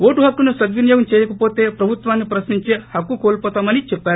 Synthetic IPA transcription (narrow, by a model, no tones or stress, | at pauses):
oːʈuɦɐkːunusɐd̪ʋinjoːɡɐmt͡ʃɛːjɐkɐpoːt̪e̞ːpɾɐbʱut̪ʋaːnːipɾɐsniɲt͡ʃeːhɐkːukoːlpɔːt̪aːmɐnit͡ʃɛpːaːɾu